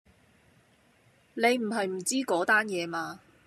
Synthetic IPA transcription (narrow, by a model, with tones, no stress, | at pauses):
ne˨˧jm̩˨˩ɦɐ˨jm̩˨˩t͡siː˥kɔː˨˥t̪aː˥njɛː˨˧maː˧